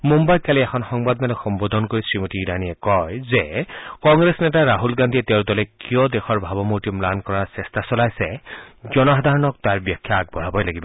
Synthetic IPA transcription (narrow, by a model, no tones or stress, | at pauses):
mumbajt̚kaliɛxʰɔnxɔŋbad̪malɔxɔmbod̪ʱɔnkoɹisɹimotiːɹaniɛkɔjzekɔŋɡɹesnɛtaɹaɦulɡandʱiɛtewltɔlɛkijɔdɛxʰɔɹbʱabɔmuɹtimlankɔɹaɹsɛstasɔlajsɛzɔnɔɦad̪ʱaɹɔnɔk̚taɹbiakʰːjaːɡ̚bɔɹabɔjlaɡibɔ